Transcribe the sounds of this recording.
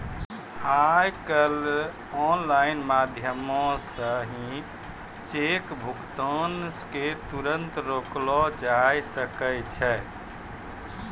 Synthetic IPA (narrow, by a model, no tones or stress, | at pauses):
ajkəl | ɔnlainmad̪ʱjəmɔ̃səɦĩ | t͡ʃekbʱukt̪ənsket̪uɾənt̪ɾoklɔd͡ʒajsəkəjt͡ʃʰɛ